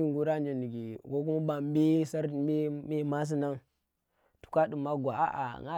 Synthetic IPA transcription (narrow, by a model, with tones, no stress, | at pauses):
i˦ŋɡu˦ɾa˦n˦d͡ʒi˨ni˨ɡi˨ko˦k̬u˦ma˦ba˨m˦be˦sa˦ɾbe˦be˦ma˦s̬i˦na˦ŋ | tu̥˨ka˦du˨ma˦ɡʷa˨ʔa̰˦ʔa̰˨ŋa˦